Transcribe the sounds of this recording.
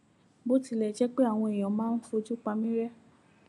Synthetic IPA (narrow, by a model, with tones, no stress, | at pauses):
bo˦ti˧lɛ˨d͡ʒɛ˦k͡pe˦a˦˨w̃ɔ̃˧e˨j̃ɔ̃˨˦mãː˦n̩˦fo˧˦d͡ʒu˦k͡pa˧mĩ˦ɾɛ˦